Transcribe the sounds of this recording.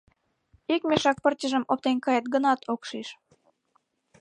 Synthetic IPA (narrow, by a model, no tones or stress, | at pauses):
ikmeʃɑk̚pərtʲəʒəmop̚t̪enkɑjet̪̚ɡənɑt̪ʰokʃiʃ